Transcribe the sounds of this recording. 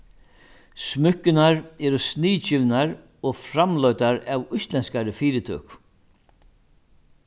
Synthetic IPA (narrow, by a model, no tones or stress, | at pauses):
smʏkːɪnaɾɛːɾʊsniːt͡ɕɪvnaɾ | ɔɣfɾamlœɥt̪aɾavʊjst̪lɛnskaɾɪfiːɾɪt̪ʰø̰ːk